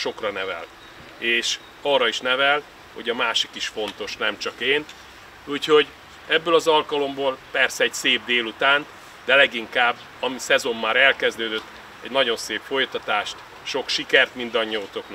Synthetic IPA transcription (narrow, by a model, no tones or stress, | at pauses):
ʃo̞krɒnɛvɛ̰l | eːʃ | ɒrːɒiʃnɛvɛl | ho̞ɟɒmaːʃikiʃfo̞nt̪o̞ʃnɛmt͡ʃɒkeːn | uːcho̞ɟ | ɛbːøːlɒzɒlkɒlo̞mboːlpɛrsɛɛɟseːb̚d̪eːlut̪aːnt̪ | d̪ɛlɛɡiŋkaːbː | ɒmisɛzo̞mːaːɾɛlkɛzd̪øːd̪øt̪ː | ɛ̰ɟnɒɟo̞nseːpfo̞jt̪ɒt̪aːʃt̪ | ʃo̞kʃikɛrt̪mind̪ɒɲːiɒut̪o̞kn